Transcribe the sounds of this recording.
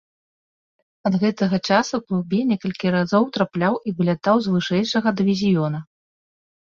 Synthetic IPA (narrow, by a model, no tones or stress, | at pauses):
ɐd̪ɣɛt̪ɐɣɐt͡ʂasuwklˠubʲɛnʲɛkɐlʲkʲiɾazɔwt̪ɾaplʲawʔivɨlʲat̪awzvɨʂɛjʂɐɣɐd̪ɨvʲizʲijɔnɐ